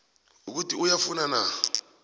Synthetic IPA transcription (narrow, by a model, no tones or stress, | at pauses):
uk̬utʼiujafunana